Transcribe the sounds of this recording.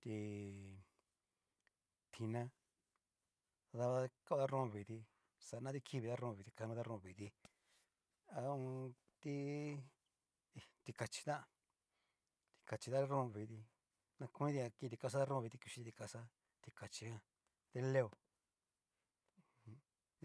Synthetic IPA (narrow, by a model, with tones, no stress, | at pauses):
t̪i˧ | t̪ʰi˧nã˧ | ða˧βa˧ka˦˧ða˦ɾõ˦˧˨βi˨ði˧ | sa˧˨˧nã˦t̪i˦˧kʰi˦˧βi˧ða˦ɾõː˧βi˨˧t̪i˧ka˧nũ˧˦ða˦ɾõ˧βi˨ði˧ | a˧ũ˧ | t̪i˦˧ | t̪i˧ka˧t͡ʃi̥˧t̪ã˦˧ | t̪i̥˧ka˨t͡ʃi˧ða˦ɾõ˦˧βi˨ði˧ | nã˧ku˧ĩ˦ði˧a˧ki˧t̪i˧ka˧s̬a˦ða˦ɾõ˦˧βi˧t̪i˧ku˧ʃi˧˦t̪i˧ka˧sa˦ | t̪i˧ka˨t͡ʃi˧ã˧ | ðe˧˦le˦o˨˧